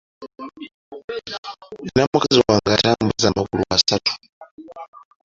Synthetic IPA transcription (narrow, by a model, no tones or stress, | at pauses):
inamukɛziwaŋɡatambɛzamakulṵmasatʰu̥